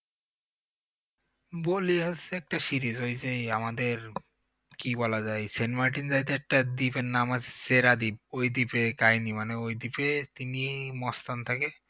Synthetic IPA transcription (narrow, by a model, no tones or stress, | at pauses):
boliɦosseɛk̚ʈaʃiɾid͡ʑɦojt͡ɕejamad̪eɾ | kibɔlad͡ʑajsenmaɾʈind͡ʑajt̪ʰeɛk̚ʈad̪ipenːamat͡ɕʰe̥seɾad̪ib̚ojd̪ipekaɦinimaneojd̪ipet̪inimɔst̪ant̪ʰake